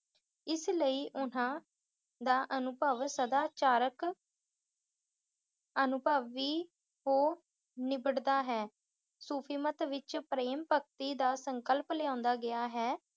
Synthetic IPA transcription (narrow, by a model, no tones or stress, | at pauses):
ɪsləiːʔʊnãː | d̪aːʔənʊpəːʋəsəd̪aːt͡ʃaːɾək | ənʊpaːʋiː | ɦoː | nɪbəɽd̪aːɦɛː | suːpʰiːmət̪ʋɪt͡ʃpɾeːmpək̚t̪iːd̪aːsəŋkəlpleãːnd̪aːɡɪaːɦɛː